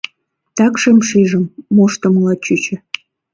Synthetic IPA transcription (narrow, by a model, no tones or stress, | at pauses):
t̪ɑkʃemʃiʒə̆mːoʃt̪ə̆mlɑt͡ɕyt͡ɕə̆